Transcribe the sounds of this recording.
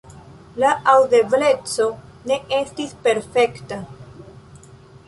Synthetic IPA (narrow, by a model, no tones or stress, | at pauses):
laawde̞ble̞t͡so̞ | ne̞ʔe̞stispe̞ɾfe̞kta